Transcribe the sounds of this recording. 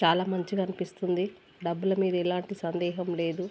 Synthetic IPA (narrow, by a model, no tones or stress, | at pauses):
t͡ʃaːlaːmɐɲt͡ʃikɐnipist̪und̪i | ɖɐbːulɐmiːd̪ɐilaːɳʈisɐnd̪ɛːɦɐmleːd̪u